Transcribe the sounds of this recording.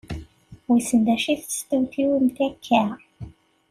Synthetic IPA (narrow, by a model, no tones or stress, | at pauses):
wisənd̪æʃiθst̪ud̪juimt̪ækʰːæ